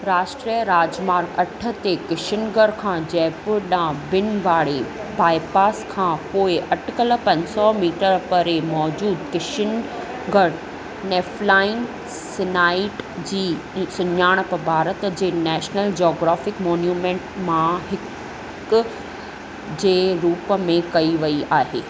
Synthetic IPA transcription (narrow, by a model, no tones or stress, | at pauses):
ɾaːʃʈɾiəɾaːd͡ʑmaːɾɡɐʈʰə̆t̪ekɪʃɪnɡəɾkʰãːd͡ʑɐːpʊɗãːbɪnʋaːɽepaːɪpaːskʰãːpoːɪʔɐʈʰɪkəlpɐ̃ɲsɔmiːʈəɾpɐɾemɔːd͡ʑuːd̪kɪʃən | ɡəɽ | neːflaːɪn | sɪnaːɪʈd͡ʑiː | sʊɲaːɽ̃pɐbʱaːɾət̪d͡ʑeːnɛːʃnəld͡ʑoːɡɾaːfɪkmɔːnjuːmẽːɳʈmãɦɪk | k | d͡ʑeːɾuːpəmẽkɐiʋɐiaːɦḛː